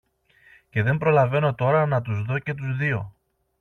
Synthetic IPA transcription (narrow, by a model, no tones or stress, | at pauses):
ce̞ðe̞mbɾo̞lɐve̞no̞t̪o̞ɾɐnɐt̪̬uzðo̞ce̞t̪uzðio̞̰